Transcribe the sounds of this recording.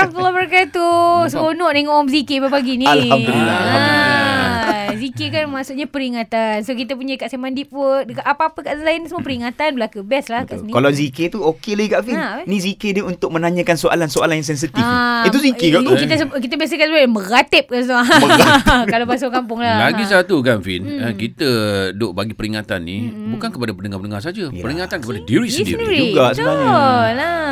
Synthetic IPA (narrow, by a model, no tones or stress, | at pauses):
md̪lːabaɾakat̪ːusəbonɔʔneŋɔʔɔmzikepapaɡinialaddulilːaa | zikekanmasuʔɲapəɾiŋat̪ansokit̪ap̬uɲakaʔsemãndipokaʔapaapəkaʔasajənisəmuopəɾiŋat̪anbəlakubɛslahkaʔsənikalaziket̪uokelaɡikaʔfinĩzikedeunt̪ʊk̚mə̃naɲə̃kansoʔa̰lansoʔa̰lanjãs̬ɛns̬it̪iafit̪uzikekaʔ̪ukit̪asəkit̪abas̬əkansəbaməɡat̪ɪp̚kansaməɡakalapas̬okampʊŋlabaɡisat̪ukanfḭnkit̪ədoʔbaɡipəɾiŋat̪anːibukankəpadapəndəŋapənəŋars̬ad͡ʒaəɾiŋat̪ankəpadadiɾisdidiid͡ʒuɡaʔsəala